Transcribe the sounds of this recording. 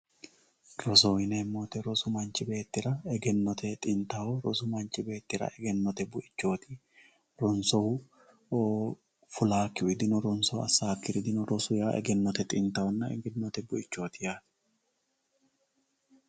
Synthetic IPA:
ɾɔsoɪnemːoːt̪ɛɾɔsʊmɐnt͡ʃːɪbe̞ːt̪ːɪɾɐɛɡɛnːɔt̪ʰɛt̪ʼɪnt̪ɐwɔɾɔsʊmɐnt͡ʃːɪbe̞ːt̪ːɪɾɐ̰ʔɛɡɛnːɔt̪ɛbʊʔɪt͡ʃːo̞ːt̪ɪ | ɾɔnsɔhʊ | fʊlaːkːɪʊɪd̪ɪnɔɾɔnsɔɐ̰sːaːkːɪɾɪd̪ɪnɔɾɔsʊjaːʔɛ̰ɡɛnːɔt̪ɛt̪ʼɪnt̪ɐwɔnːɐɛ̰ɡɛnːɔt̪ɛbʊɪt͡ʃːo̞ːt̪ɪjaːt̪

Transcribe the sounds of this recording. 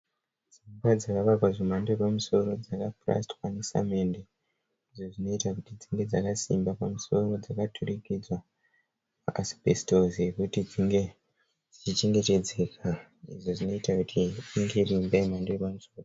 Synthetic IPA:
d͡zimbad͡zakaʋarwaʐemandoepamuso̞ɾo̞d͡zakapra̰stwanesa̰mende | iʐo̞ʐino̞itakutid͡ziŋɡe̞d͡zakasimbapamuso̞ro̞d͡zakatʰurikid͡zwa | makasi̥pestoze̞kutid͡ziŋɡe̞ | d͡zit͡ʃit͡ʃe̞ŋɡe̞te̞d͡ze̞kʰaiʐo̞ʐino̞itakutʰiiŋɡe̞rimbaimandoepamuso̞ːro

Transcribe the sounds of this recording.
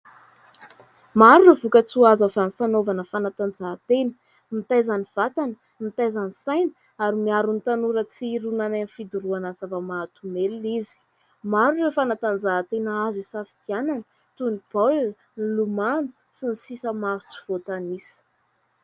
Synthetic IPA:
maɾurevukət͡suazafanifanovanəfanat̪and͡zat̪enə̥ | mit̪ajzaniv̥at̪anə̥ | mit̪ajzanisajnə̥ | aɾimiaɾunit̪anuɾət͡siɾunananfid̪uɾuanasavəmat̪umelizi̥ | maɾurefanat̪and͡zaɦt̪enəazisafi̥t̪iananə | t̪unib̥al | nilumanu | sinisisəmaɾut͡si̥v̥ot̪anisə̥

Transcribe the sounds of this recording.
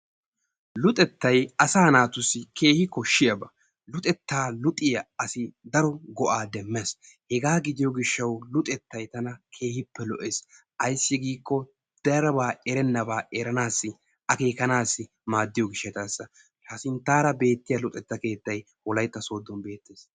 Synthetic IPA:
lʊt̪ʼɛt̪ːɐjɐsaːnaːt̪ʊsːɪkʰe̞ːhɪkɔʃːɪjɐbɐ | lʊt̪ʼɛt̪ːaːlʊt̪ʼɪjɐɐsɪd̪ɐɾɔɡɔʔaːd̪ɛmːes | hɛɡaːɡɪd̪ɪjɔɡɪʃːɐwlʊt̪ʼɛt̪ːɐjt̪ɐnɐkʰe̞ːhɪpːɛlɔʔe̞ːs | ʔɐjsːɪɡiːkːɔ | d̪̥ɛɾɐbaːɛɾɛnːɐbaːʔɛɾɐnaːsːɪ | ɐke̞ːkɐnaːsːɪ | maːd̪ːɪjɔɡɪʃːɛt̪ɐsːɐ | ʃasɪnt̪ːaːɾɐbe̞ːt̪ːɪjɐlʊt̪ʼɛt̪ːɐke̞ːt̪ːɐj | wɔlɐjt̪ːɐsoːd̪ːɔnbe̞ːt̪ːeːs

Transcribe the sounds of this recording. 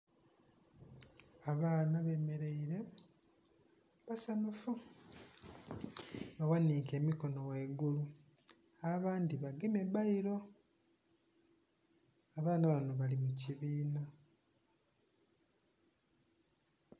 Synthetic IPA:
aβaːnaβe̞ːme̞ɾe̞iɾe̞ | βasanufu | βawaniːke̞ːmiko̞no̞weːɡulu | aβaːndiβaɡemebaiɾo̞ | aβaːnaβanoβalimuciβiːna

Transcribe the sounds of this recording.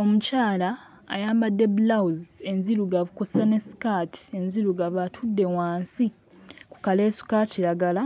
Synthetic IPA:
o̞mucaːla̰ː | jaːmbadːe̞bulauze̞nziluɡaβukosane̞si̥katʰi̥e̞nziɾuɡaβatʰudːe̞waːnsi | ku̥kale̞ːsu̥kaciɾaɡala

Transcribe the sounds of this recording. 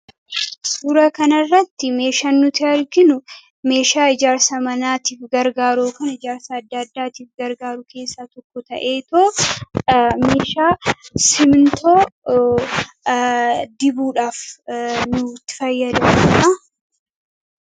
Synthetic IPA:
suːɾɐkɐnɐrːɐt̪ːɪme̞ːʃaːnːʊt̪ɪɐɾɡɪnʊ | me̞ːʃaːɪd͡ʒaːɾsɐmɐnaːt̪iːfɡɐɾɡaːɾoːkɐnɐɪd͡ʒaːɾsɐːd̪ːaːd̪ːaːt̪iːfɡɐɾɡaːɾʊkʰe̞ːsːaːt̪ɔkːɔt̪ɐ̰ʔe̞ːt̪oː | me̞ːʃaːsɪmnt̪oː | d̪ɪbuːᶑaːfnʊt̪ːɪ̥fɐjːɐd̪ɐmuᶑɐ

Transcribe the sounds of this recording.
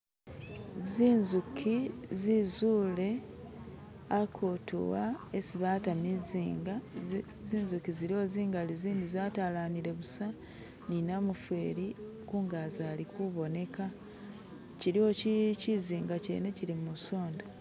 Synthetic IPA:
ziːnzukʰizizuːle̞ | akʰutṵwaesiβaːtamiziːŋɡa | ziːnzukiziɾio̞ziːŋɡaliziːndizaːtalaniɾe̞βusa | ninamufwe̞ːɾi | kuŋɡazaːlikuβo̞ne̞ka | ciɾio̞ciciziːŋɡacḛːne̞cilimuso̞ːnda

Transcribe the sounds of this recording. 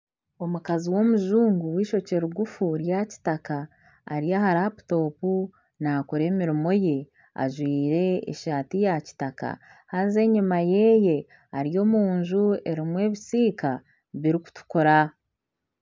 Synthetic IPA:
o̞mukaziwo̞muʒuːŋɡuwiːʃo̞ce̞ɾuɡufuɾjaci̥taka̰ː | ɾijahaɾaːpu̥to̞ːpu | naːkoɾe̞ːmiɾimo̞je̞ | a̰ʒwiːɾe̞̰ːʃaːtijaci̥taka̰ | haze̞ɲumaje̞ːje̞ | aɾijo̞ːmuːɲʒue̞ɾimwe̞ːβisiːka | βiɾiku̥tu̥koɾa

